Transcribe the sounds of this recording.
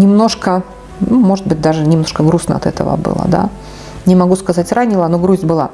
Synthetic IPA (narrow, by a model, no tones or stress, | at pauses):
nʲɪmno̞ʂkə | numo̞ʐɨt̪̚bɨt̚ʲd̪aʐɨnʲɪmno̞ʂkəɡɾusnə̰ɐ̰t̪ɛt̪ə̰və̰bɨ̰lˠə̰d̪a̰ | nʲɪmɐɡuskɐzatʲranʲɪlˠanoɡɾuzʲbɨlˠa